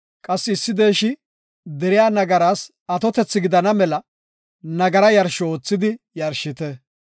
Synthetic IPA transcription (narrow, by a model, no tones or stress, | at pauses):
kʼɐsːɪːsːɪd̪eːʃɪ | d̪ɛɾɪjaːnɐɡɐɾaːs | ɐt̪ɔt̪ɛt͡sːɪɡɪd̪ɐnɐmɛlɐ | nɐɡɐɾɐjɐɾʃɔoːt͡sːɪd̪ɪ | jɐɾʃɪt̪ɛ